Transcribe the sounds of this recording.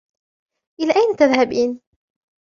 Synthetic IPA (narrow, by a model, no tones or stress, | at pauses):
ʔɪlaːʔæjnat̪aðhabiːn